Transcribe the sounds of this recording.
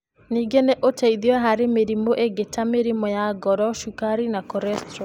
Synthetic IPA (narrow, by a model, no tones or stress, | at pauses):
niːɡeneʔotaiðiwɛɦaɾemeɾimoʔeɡetameɾimɔjaɡɔɾɔʃukaɾinakɔɾɛstɔ